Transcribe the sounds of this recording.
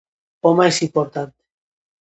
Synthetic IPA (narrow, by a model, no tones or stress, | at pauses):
omaesimpoɾt̪ant̪e̥